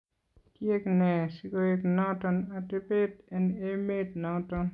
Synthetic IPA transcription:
tjeknɛsikoeknɔtɔnatepetɛnemet̚nɔtɔn

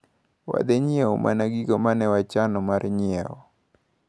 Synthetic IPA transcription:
wa̰d̪ɛɲɪɛɔmʔa̰naɡiɡomanɛwat͡ʃanɔmarɲɪɛɔ

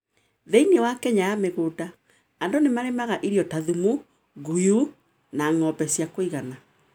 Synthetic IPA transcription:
ðɛinewakɛɲajameɣota | andonemaɾemaɣaʔiɾjɔtaðumu | ɡuju | naŋɔbɛsjakoiɣana

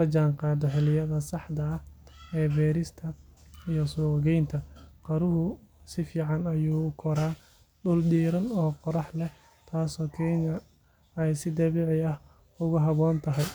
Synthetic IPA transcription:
lɐd͡ʒaːŋqɑːd̪ɔħɪlɪjɐðɐsɑħd̪ɐɐhɛːbɛːɾɪst̪ʰɐijɔsuːɣɛjnt̪ʰɐqɑɾʊɦʊsɪfiːʕɑnɐjuːkʰɔɾaː | ɗʊldiːɾɐnɔːqɔɾɑħlɛ | t̪ʰaːsɔːkʰɛːŋɐ | ɛjsɪd̪ɐβiːʕɪɐh | ʊɣʊɦɑβɔːnt̪ʰɐɦɛj

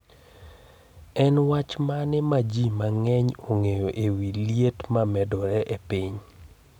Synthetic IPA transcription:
ɛnwat͡ʃmanɪmad͡ʒimaŋɛɲoŋejoʔewilijetmamɛdɔɾɛʔepiɲ

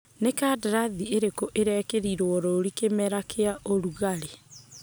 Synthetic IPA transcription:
nekaːdaɾaðieɾekoʔeɾɛːkeɾiɾwɔɾoɾikemɛɾakeaʔoɾuɣaɾe

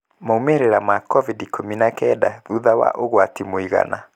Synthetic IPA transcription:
moumeɾeɾamakɔvidikʰominakɛdaðuðawa̰ʔoɣwatimoiɣa̰na

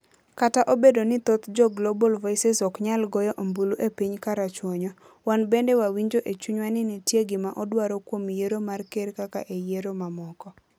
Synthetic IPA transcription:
kataʔobedonɪt̪ot̪d͡ʒɔɡlobɔlvɔisɛsɔkɲalɡɔjɔʔombuluʔepiɲkaɾat͡ʃwoɲɔ | wanbendɛwawiɲd͡ʒoʔet͡ʃuɲwanɪnɪtjeɡɪmaʔɔdwaɾokwomjeɾomarkeɾkaka̰ʔejeɾomamɔkɔ

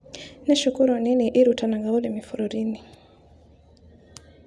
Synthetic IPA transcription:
naʃukuɾuaniniʔiɾutanaŋɡaulimifuɾuɾini

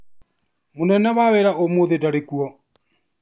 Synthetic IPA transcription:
monɛnɛβaweɾaomoðedaɾekuɔ

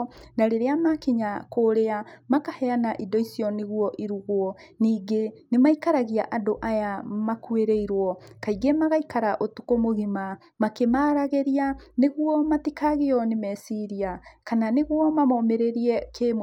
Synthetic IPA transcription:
naɾeɾeamakiɲakoːɾeamakahɛanaʔidɔisiɔneɣuwɔʔiɾuɣwɔ | niːɡenemaikaɾaɣiaʔadoʔajamakueɾeiɾwɔkaiɡemaɣaikaɾaʔotukomoɣima | makemaɾaɣeɾianeɣwɔmatikaɣeɔnemɛsiɾiakananeɣwɔmamɔmeɾeɾiɛkem

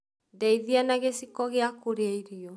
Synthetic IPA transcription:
ndɛiðianaɣesikɔɣeakoɾeaiɾiɔ

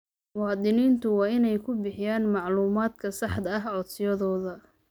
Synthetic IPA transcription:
wɑːd̪ɪniːnt̪ʰʊwɑːɪnɛjkʰʊbɪħɪjaːnmɑʕluːmaːd̪kʰɐsɑħd̪ɐɐɦʕɔd̪sɪjɐðɔːðɐ

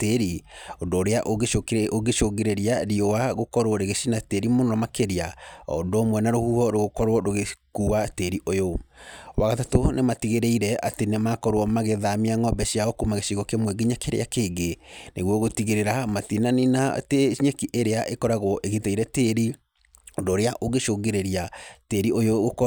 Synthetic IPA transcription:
teɾiondoːɾeaʔoɣeooɣeʃoɣeɾeɾiaɾiowaɣokɔɾwɔɾeɣeʃinateɾimonɔɔmakeɾiaɔ̰ndomwɛnaɾohuhɔɾoɣokɔɾwɔɾoɣekuateɾiʔojowaɣatatonematiɣeɾeiɾɛʔa̰tenemakɔɾwɔmaɣeðamiaŋɔbɛʃiaokumaɣeʃiɣɔkemwɛɡiɲakeɾḛakeːɡeneɣwɔɣotiɣeɾeɾamatinaninateɲekiʔeɾeaʔekɔɾaɣɔʔeɣeteiɾɛteɾi | doɾeaʔoɣeʃoɡeɾeɾiateɾiojoɣok

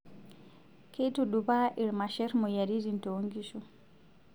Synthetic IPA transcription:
ketuɗubaʔiɾmaʃɛɾmɔjaɾizintoŋɡiʃu

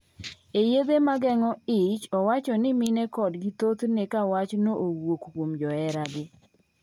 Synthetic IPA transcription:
ejed̪emaɡɛŋɔɪt͡ʃɔwat͡ʃɔnɪmɪnɛkɔdɡɪt̪ot̪nekawat͡ʃnoʔowokkwomd͡ʒɔɛɾaɡɪ

